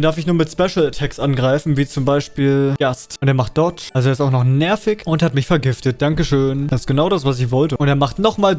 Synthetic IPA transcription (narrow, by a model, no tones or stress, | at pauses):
ndaɐfɪçnuːɐmɪtspɛʃl̩tʰɛksʔanɡʁaɪfn̩viːt͡sʊmbaɪʃpiːlɡ̥astʊnteːɐmaχtd̥ɔɐtʔalzoeːɐɪsaʊxnɔχnɛɐfɪçʊnthatmɪçfɛɐɡɪftət̚d̥aŋkəʃøːndasɪstɡ̥ənaʊɾas̬v̥as̬ɪçv̥ɔltəʔʊnteːɐmaχtnɔχmaːl